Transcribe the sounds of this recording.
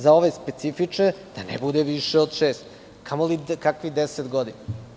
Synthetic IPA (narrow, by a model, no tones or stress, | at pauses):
zaoʋespe̞t̪sifit͡ʂned̪̥anḛbud̪eʋiʃeod̪ʃeːst̪ | kʰamolikakʋid̪eset̪ɡod̪ina